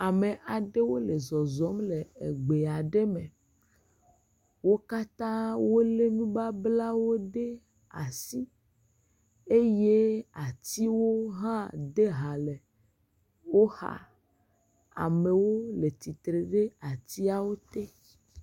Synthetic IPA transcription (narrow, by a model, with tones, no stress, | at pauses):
a˨me˨ʔa˨ɖe˦wo˦le˨zɔ˨zɔ˨˦mle˨e˨ɡ͡be˨a˨ɖe˦me˨ | wo˦ka˦t̪ã˦wo˦le˦nũ˦ba˦bla˦wo˦ɖe˦ | a̰˨si˦ | e˦je˦a˨t̪i˦wo˦ɦã˦d̪e˦ɦa˨le˨ | wo˦ha̰˦˨ | a̰˨me˨wo˦le˨t̪i˨t̪ɾe˨ɖe˦a˨t̪i˦a˨wo˦t̪e˦